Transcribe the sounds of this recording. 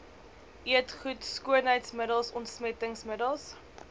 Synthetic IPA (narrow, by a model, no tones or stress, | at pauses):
ʔiətχutskuənɦəjtsmədəlˠsɔntsmɛtəŋsmədəlˠs